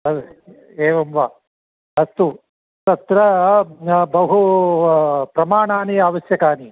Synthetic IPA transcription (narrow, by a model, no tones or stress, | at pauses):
ɐ | eːʋɐmʋaː | ɐst̪u | t̪ɐt̪ɾɐ | bɐɦu | pɾɐmaːɳaːnijaːʋɐsjɐkaːni